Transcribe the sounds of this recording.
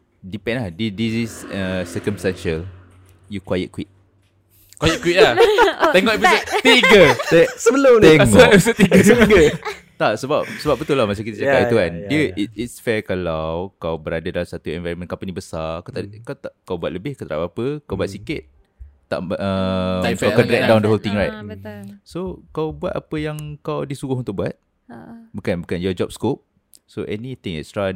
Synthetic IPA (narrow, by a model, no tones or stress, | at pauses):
dipɛ̃nlahdidisisəsəkəmst̪anʃəl | jukwajə̰t̪̚kwit̪̚ | kwajəkwit̪̚laɛŋɔʔɛpisət̪iɡəɛsəbələmɛʔɛpisət̪iɡəɡə | t̪aʔsəbap̚səbap̚bət̪ʊlamat͡ʃakit̪əsd͡ʒakat̪iuandiəit̚itsfɛkalawkawbəɾadədalamsat̪uɛ̃nvaɾəmə̃nkɔ̃mpənibəsakat̪akat̪aʔkawbuat̪̚ləbɪhkət̪əɾapapəkawbuat̪̚sikɪt̪̚ː | a̰ʔʔə | akaɾɛk̚dãw̃ndəɦolt̪ɪ̃ŋɹajt̚sokawbuat̪a̰pəjaŋkawdisuɡʊhunt̪ʊk̚buat̪̚ | bukanbukanjɔd͡ʒɔp̚skop̚ | soʔɛnit̪ɪ̃ŋɛ̰tstɹa